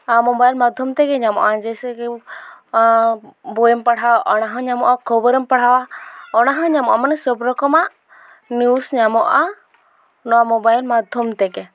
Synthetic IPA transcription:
amɔbajlmad̪ʱjɔmt̪ɛɡɛɲamɔ̰ʔad͡ʒɛsɛkɛ | bɔjɛmpaɽ̤awaʔɔnaɦɔ̃ɲamɔʔakʰɔbəɾəmpaɽ̤awaɔnaɦɔ̃ɲamɔʔamanɛsɔbɾɔkɔmaʔ | njusɲamɔʔa | nɔwamɔbajlmad̪ʱjɔmt̪ɛɡɛ

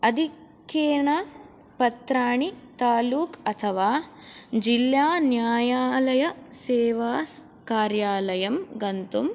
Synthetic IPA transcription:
ɐd̪ʱikeːɳɐ | pɐt̪ɾaːɳit̪aːluːkɐt̪ʰɐʋaː | d͡ʒiljaːnjaːjaːlɐjɐseːʋaːs | kaːɾjaːlɐjɐmɡɐnt̪um

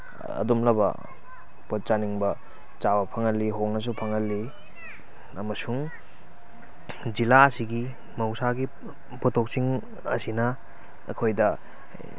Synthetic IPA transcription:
ɐ̰dumlɐbɐ̰ | pot͡ʃaniŋbɐ | t͡ʃawɐpʰɐŋɐlːiɦoŋnɐs̬upʰɐŋɐlːi | ɐmɐsuŋ | d͡ʒilaɐsiɡi | mɐwsaɡi | pɔtʰok̚siŋ | ɐ̰sinɐ | ɐ̰kʰojdɐ

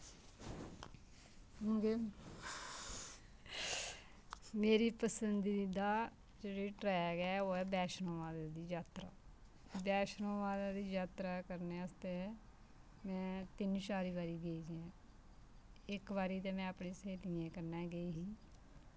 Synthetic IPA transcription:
ɦõːɡeː | meːɾiːpəsənd̪id̪aː | d͡ʒeːɽiːʈɾɛːɡɛːoːɛːbɛːʃnõːʋaːd̪aːd̪iːd͡ʒaːt̪ɾa̰ː | bɛːʃnõːʋaːd̪ãːd̪iːd͡ʒaːt̪ɾaːkəɾneʊst̪e | mɛ̃ːt̪ɪnʃaːɾiːbaːɾiːɡəiːd͡ʒɛ̃ː | ɪkʋaːɾiːt̪eːmɛ̃ːəpɳẽːseːt̪ɪjẽːkəɾnɛːɡəiːɦiː

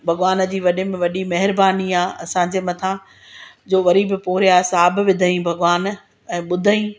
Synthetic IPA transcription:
bʱɐɠʋaːnə̆d͡ʑiːʋɐɗɪmẽʋɐɗimɐɦɪɾbaːniaːɐsãd͡ʑeːmɐt̪ʰã | d͡ʑoːʋɐɾibɪpʊɦɾjasaːbʋɪd̪ʱəĩbʱɐɡʋaːn | ɛ̃ːɓʊd̪ʱaĩ

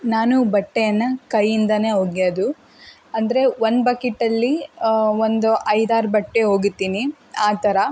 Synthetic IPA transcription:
naːnubɐʈːejɐnːɐkɐjːind̪ɐne̞ːɦoːɡioːd̪u | ɐnd̪ɐɾe̞ʋond̪bɐkiʈːɐlːiond̪uʔɐjd̪aːɾbɐʈːe̞ɦo̞ːɡut̪ːiːni | aːt̪ɐɾɐ

